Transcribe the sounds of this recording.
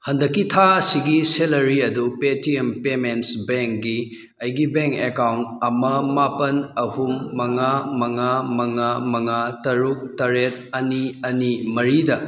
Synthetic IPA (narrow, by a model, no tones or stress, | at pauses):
hɐndɐkːitʰaɐsiɡiselɐɾiɐdupetiempemensbeŋk̚ɡi | ɐjɡibeŋkekawntɐmɐmapɐnɐhumːɐŋamɐŋamɐŋamɐŋatɐɾuk̚tɐɾet̚ɐniɐnimɐɾidɐ